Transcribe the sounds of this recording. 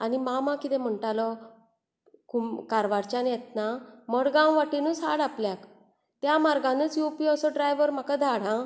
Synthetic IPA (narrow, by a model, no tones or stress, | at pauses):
animamãkit̪ɛ̃m̤əɳʈalɔ | kumkaɾʋaɾt͡ɕanjɛt̪naməɽɡãwʋaʈinusa̰ɽapljak | t̪jamaɾɡãnət͡sjupiɔsɔɖɾajʋəɾm̤akad̪ʱaɽ̤ã